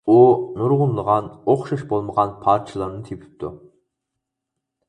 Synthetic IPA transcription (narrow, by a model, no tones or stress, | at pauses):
unuɾʁʊnlˠəʁɑnoχʃɑʃbolˠməʁɑnpʰɑːɾt͡ʃʰɨlˠɑɾnɨt̪ʰepʰɪ̥p̚t̪ʰu